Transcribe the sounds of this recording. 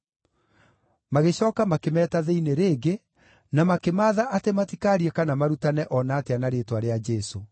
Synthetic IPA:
maɣeɕɔːkamakemɛːtaðeineɾeːɡe | namakemaːðaʔatematikaɾiɛkanamaɾutanɛʔɔnaːteanaɾetwaɾead͡ʒɛso

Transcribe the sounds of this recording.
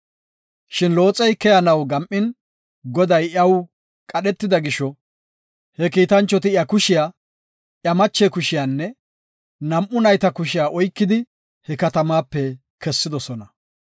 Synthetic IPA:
ʃɪnlo̞ːt͡sʼɛjkɛjɐnɐwɡɐmʔːɪn | ɡɔd̪ɐjɐw | kʼɐɗɛt̪ːɪd̪ɐɡɪʃɔ | hɛkiːt̪ɐnt͡ʃːɔt̪ɪjɐkʊʃɪjaː | ʔjɐmɐt͡ʃːɛkʊʃɪjaːnːɛ | nɐmʔʊnɐjt̪ɐkʊʃɪjaːʔɔjkːɪd̪ɪ | hɛkɐt̪ɐmaːpːɛ | kɛsːɪd̪ɔsɔnɐ

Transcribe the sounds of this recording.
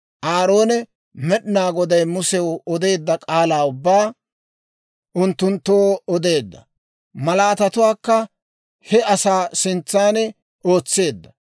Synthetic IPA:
ʔaːɾo̞ːnɛ | mɛɗɪnaːɡɔd̪ɐjmʊsɛwɔd̪e̞ːd̪ːɐkʼaːlaːʊbːaː | ʔʊnt̪ːʊnt̪ːoːɔd̪e̞ːd̪ːɐ̰ | mɐlaːt̪ɐt̪ʊwaːkːɐ | hɛɐsaːsɪnt͡sːaːnɛ | ʔo̞ːt͡sːe̞ːd̪ːɐ

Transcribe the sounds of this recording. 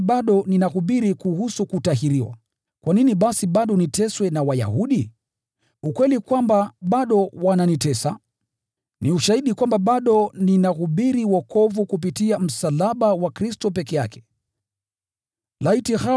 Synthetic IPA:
ɓaɗɔninahuɓiɾikuhusukutaɦiɾiwa̰ | kwaniniɓasiɓaɗɔnitɛswɛnawaja̰huɗi | ukwɛlikwambaɓaɗɔwananitɛsa | niuʃahiɗikwambaɓaɗɔninahuɓiɾiwɔkɔvukup̬itiam̩salaɓawakɾistɔp̬ɛkɛja̰kʰɛ̥ | laitiha

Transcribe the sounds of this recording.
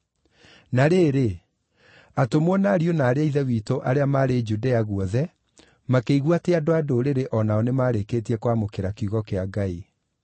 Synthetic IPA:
naɾeːɾe | atomwɔnaːɾionaːɾeaiðɛwitoʔaɾeamaɾed͡ʒudeaɣwɔðɛ | makeiɣwateadoadoɾeɾeʔɔnaɔnemaːɾekeːtiɛkwamokeɾakuɣɔkeaɡai

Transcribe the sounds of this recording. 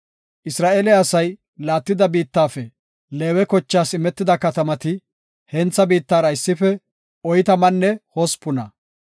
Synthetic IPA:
ʔɪsɾaːʔeːlɛɐsɐj | laːt̪ːɪd̪ɐbiːt̪ːaːfɛ | le̞ːwɛkɔt͡ʃːaːsɪmɛt̪ːɪd̪ɐkɐt̪ɐmɐt̪ɪ | hɛnt͡sːɐbiːt̪ːaːɾɐɪsːɪfɛ | ɔjt̪ɐmɐnːɛhɔspʊnɐ̰

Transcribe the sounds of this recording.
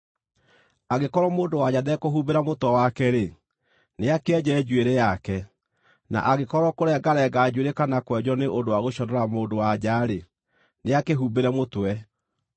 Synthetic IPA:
aɣekɔɾɔmoːndowaɟaðɛkoɦubeɾamotwɛwakɛɾe | neakeɛd͡ʑɛd͡ʒweɾɛjakɛ | na̰ʔaɣekɔɾɔkoɾɛɡaɾɛɡaːd͡ʑweɾekanakwɛd͡ʑɔneʔondoaɣoɕɔɾɔɾamoːndowad͡ʑaɾe | neakeɦubeɾɛmotwɛ

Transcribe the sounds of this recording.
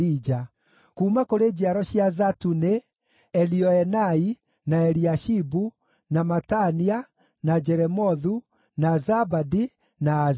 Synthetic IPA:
id͡ʒa | kuːmakoɾed͡ʑiaɾɔɕiazatune | ɛliɔɛnai | naɛɾiaʃibu | namatania | nad͡ʒɛɾɛmɔðu | nazabadi | naː

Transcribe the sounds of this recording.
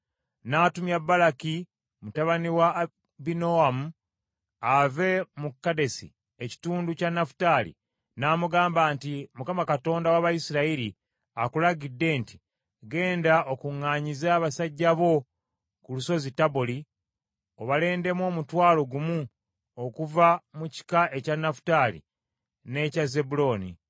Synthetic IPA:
naːtumjabːalaki | mutaβaniwa | binoamu | ave̞mukːade̞sḭ | eci̥tuːnducanafu̥talḭ | naːmuɡaːmbaːntimukamakato̞ːndawaβajisiɾaiɾi | akulaɡidːe̞nti̥ | ɡe̞ːndaʔo̞kuŋːaːɲizaːβasaɟːaβo̞ | kuluso̞zitaboli | o̞βale̞ːnde̞mo̞ːmutwaːlo̞ɡumu | okuvamuci̥kaʔe̞canːafu̥talḭ | ne̞caze̞bulo̞ːnḭ

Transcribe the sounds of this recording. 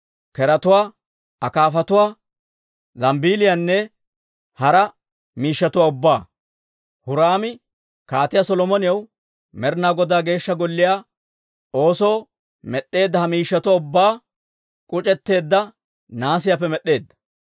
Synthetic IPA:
kɛɾɐt̪ʊwaː | ɐkaːfɐt̪ʊwaː | zɐmbiːlɪjanːɛ | hɐɾɐ | miːʃːɐt̪ʊwaʊbːaː | hʊɾaːmɪ | kaːt̪ɪjasɔlɔmɔnɪjɐw | mɛɾnaːɡɔd̪aːɡe̞ːʃːɐɡɔlːɪjaː | o̞ːso̞ː | mɛɗːe̞ːd̪ːɐhɐmiːʃːɐt̪ʊwaʊbːaː | kʼʊt͡ʃʼɛt̪ːe̞ːd̪ːɐ | naːs̬ɪjap̬ːɛmɛɗːe̞ːd̪ːɐ̥

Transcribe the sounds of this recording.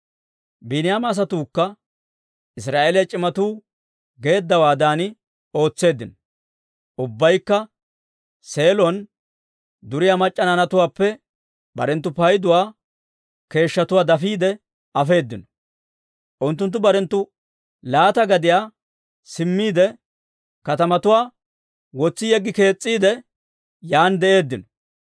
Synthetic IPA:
binɪjaːmːs̬ɐt̪uːkːɐ | ɪs̬ɾaːʔeːlɪjɐt͡ʃʼɪmɐt̪uː | ɡe̞ːd̪ːɐwaːd̪aːnɪ | o̞ːt͡sːe̞ːd̪ːɪnɔ̥ | ʔʊbːɐjkːɐ | se̞ːlɔn | d̪ʊɾɪjaːmɐt͡ʃʼːɐnanɐt̪ʊwaːpːɛ | bɐ̰ɾɛnt̪̬ːʊpɐjd̪ʊwaː | ke̞ːʃːɐt̪ʊwaːd̪ɐfiːd̪ɛ | ʔɐfe̞ːd̪ːɪnɔ̥ | ʔʊnt̪ːʊnt̪̬ːʊbɐɾɛnt̪ːʊ | laːt̪ɐɡɐd̪ɪjaː | sɪmːiːd̪ɛ | kɐt̪ɐmɐt̪ʊwaː | wɔt͡sːɪjɛɡːɪke̞ːt͡sʼːiːd̪ɛ | jaːnd̪ɛʔe̞ːd̪ːɪnɔ

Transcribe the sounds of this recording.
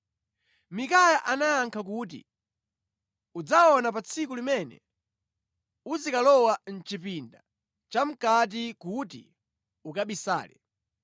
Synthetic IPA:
mikajaʔanajaŋkʰak̬uːt̬ḭ | ud͡zaɔnapat͡sʰikulimɛnɛ̰ | uzikalɔwan̩t͡ʃipinda | t͡ʃam̩kat̬ikutḭ | ukaɓisa̰ːlɛ̰

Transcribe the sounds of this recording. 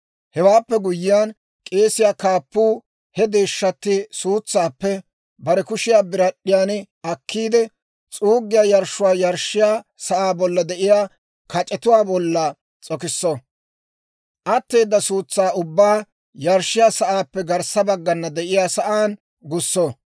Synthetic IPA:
hɛwaːpːɛɡʊjːɪjaːn | kʼe̞ːsɪjaːkaːpːuː | hɛd̪eːʃːɐt̪ːɪsuːt͡sːaːpːɛ | bɐɾɛkʊʃɪjaːbɪɾɐɗːɪjaːn | ɐkːiːd̪ɛ | t͡sʼuːɡːɪjaːjɐɾʃːʊwaːjɐɾʃːɪjaːsɐʔaːbɔlːɐd̪ɛʔɪjaː | kɐt͡ʃʼɛt̪ʊwaːbɔlːɐ | t͡sʼɔkɪsːɔ | ʔɐt̪ːe̞ːd̪ːɐsuːt͡sːaːʊbːaː | jɐɾʃːɪjaːsɐʔaːpːɛɡɐɾsɐbɐɡːɐnːɐd̪ɛʔɪjaːsɐʔaːn | ɡʊsːo

